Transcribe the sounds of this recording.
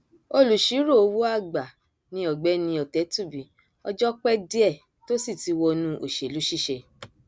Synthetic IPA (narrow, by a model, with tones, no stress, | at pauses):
o˧lu˨ʃi˨˦ɾo˦˨o˧wo˦a˦˨ɡ͡ba˨ | nĩ˧˦ɔ˨ɡ͡bɛ˦nĩ˧ɔ˨tɛ˨˦tu˦˨bi˨ | ɔ̰˧d͡ʒɔ˦k͡pɛ˦di˦ɛ˦˨ | to˦si˦˨ti˧wɔ˧nũ˧˦ʔo˨ʃe˨lu˨˦ʃi˦˨ʃe˧